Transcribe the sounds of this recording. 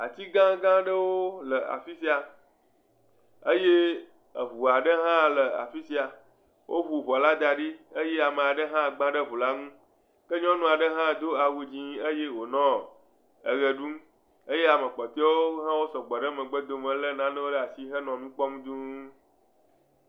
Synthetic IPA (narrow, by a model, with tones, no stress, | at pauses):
a̰˨t̪i˦ɡã˦ɡã˦ɖə˦wo˦lə˨a̰˨fi˦si˦a˨ | ə˦je˦ | ə˨βu˨a˨ɖə˦ɦã˦lə˨a̰˨fi˦si˦a˨ | wʔo˦βu˨βɔ˨la˦d̪a˨ɖi˦ə˦je˦a˨mẽ˨a˨ɖə˦ɦã˦˨ɡ͡bã˦ɖə˦βu˨la˦ŋũ˦ | kə˦ɲɔ̃˦nũ˦a˨ɖə˦ɦã˦d̪o˦a˨wu˨d͡ʑĩ˦ə˦je˦wo˨nɔ̃˦ | ə˨ɣə˨ɖu˦m | ə˦je˦a˨mə̃˨k͡pɔ˨t̪e˦wo˦ɦã˦wo˦sɔ̃˨ɡ͡bɔ˨ɖə˦mə̃˨ɡ͡bə˦d̪o˨mə̃˨lə˦nã˦n˦wo˦ɖə˦a˨si˦ɦə˦nɔ̃˨mĩ˦k͡pɔ˦m˦d̪u˦